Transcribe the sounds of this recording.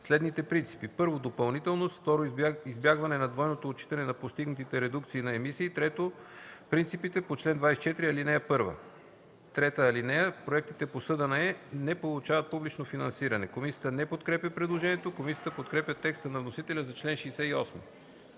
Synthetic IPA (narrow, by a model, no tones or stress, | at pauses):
slɛd̪nit̪ɛpɾint̪si̥pipɤɾvod̪opɐlˠnit̪ɛlˠnosft̪ɔɾoizbjaɡvɐnɛnɐd̪vɔjnot̪oːt͡ʃi̥t̪ɐnɛnɐpost̪iɡnɐt̪it̪ɛɾɛd̪ukt̪siːnɐɛmisiːt̪ɾɛt̪opɾint̪ipit̪ɛpot͡ʃlɛnd̪vajsɛt͡ʃɛt̪ɾiɐlinɛjəpɤɾvə̰ | t̪ɾɛt̪əɐlinɛjəpɾoɛk̚t̪it̪ɛposɤd̪ənɐɛnɛpolˠut͡ʃavɐt̪̚publit͡ʃnofinɐnsiɾɐnɛkomisijət̪ənɛpot̪kɾɛpjʲəpɾɛd̪lˠoʒɛnijɛt̪okomisijət̪əpot̪kɾɛpʲjət̪ɛkst̪ənɐvnosit̪ɛlʲɐzɐt͡ʃlɛnʃɛːsɛiɔsmi